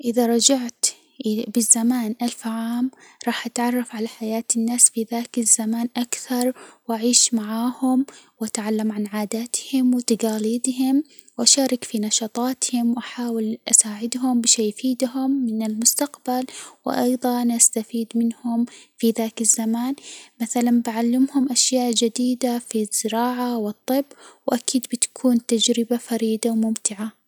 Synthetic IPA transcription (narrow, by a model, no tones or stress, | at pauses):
ʔɪðaɾˤɑd͡ʒaʕt̪ | bɪzːamaːnʔalfʕaːmɾˤɑːħʔat̪ʕɑrˤːɑfʕalaħajaːt̪ɪnːaːsfiðaːkazːamaːnʔakθɑɾˤwʔaʕiːʃmaʕaːhʊmwʔat̪ʕalːamʕanʕaːd̪aːt̪hɪmwɪt̪aɡaːliːd̪hɪm | wʔaʃaːɾˤɪkfinɑʃɑːt̪ˤɑːt̪hɪmwʔaħaːwɪlʔasaːʕɪd̪ɦʊmbɪʃaːjfiːd̪ɦʊmːɪnɪlmʊst̪aqbalwɪ̰ʔɑ̰jðˤɑnʔast̪afiːd̪mɪnhʊmfiðaːkazːamaːnmaθalanbaʕalːɪmhʊmʔaʃjaːʔd͡ʒad̪iːd̪afiz̥ːɪɾɑːʕawɨt̪ˤːɨbːwʔakiːd̪bɪt̪ḁkʰuːnt̪ad͡ʒɾɪbafaɾiːd̪awmʊmt̪ɪʕa